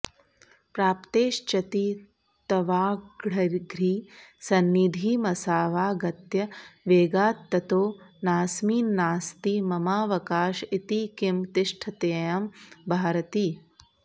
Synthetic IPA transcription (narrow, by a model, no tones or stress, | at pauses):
pɾaːpt̪eːʃt͡ʃɐt̪iː | t̪ɐʋaːɡɽɐɾɡɾiːsɐnːid̪ʱiːmɐsaːʋaːɡɐt̪jɐʋeːɡaːt̪ːɐt̪oːnaːsmiːnːaːst̪iːmɐmaːʋɐkaːʃit̪iːkimt̪ɪʂʈʰɐt̪eːjɐmbʱaːɾɐt̪iː